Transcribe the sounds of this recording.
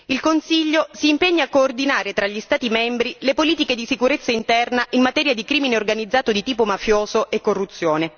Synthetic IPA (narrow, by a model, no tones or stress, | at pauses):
ilkonsiʎːosiːmpeɲːaːkːoːrd̪inaːɾet̪ɾaʎːist̪aːt̪imɛmbɾilepoliːt̪iked̪isikuɾet̪sːaint̪ɛrnaʔinmːat̪ɛːɾjad̪ikɾiːmineorɡanid̪zːaːt̪od̪it̪iːpomafjoːzoʔekːorːut̪sːjoːne